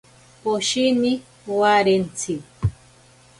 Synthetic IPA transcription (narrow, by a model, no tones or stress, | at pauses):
poʃini | waɾent͡sʰiw